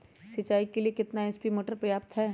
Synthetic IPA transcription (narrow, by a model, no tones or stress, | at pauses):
sɪt͡ʃaːikeliekɪt̪naɛspimoːʈəɾpɾɐjaːp̚t̪ɦɛː